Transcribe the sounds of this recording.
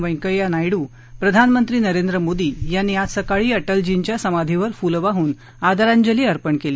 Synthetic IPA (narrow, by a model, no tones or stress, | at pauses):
ʋə̃jkəjanajɽuː | pɾəd̪ʱanmənt̪ɾiːnəɾend̪ɾəmod̪iːjanːiasəkaɭiːəʈəld͡ʑiɲt͡ɕjasəmad̪ʱiʋəɾfulʋaɦuːn | ad̪aɾãɲd͡ʑəliːəɾpəɳkeliː